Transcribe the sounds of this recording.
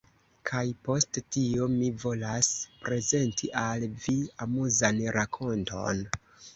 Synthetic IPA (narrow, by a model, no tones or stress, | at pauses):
kʰajpo̞sttiomivo̞laspɾe̞ze̞ntʰiʔalviamuzanɾakʰo̞nto̞̰n